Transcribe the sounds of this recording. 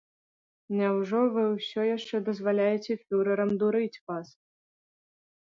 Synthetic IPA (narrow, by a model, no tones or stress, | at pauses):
nʲɛwʐɔvɨwsʲɔjaʂt͡ʂɛd̪ɐzvalʲajɛt͡sʲɛfʲuɾɐɾɐmd̪uɾɨt͡sʲvas